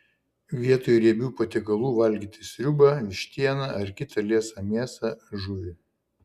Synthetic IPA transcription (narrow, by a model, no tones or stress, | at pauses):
ʋʲiɛt̪oːjuɾʲiɛbʲuːpɐt̪ʲɪkɐlˠuːʋɐlʲɡʲiːt̪ʲɪsʲɾʲʊbɐɪʃʲt̪ʲiɛnɐɐɾkʲɪt̪ʰɐlʲiɛsɐmʲiɛsɐʒʊʋʲɪ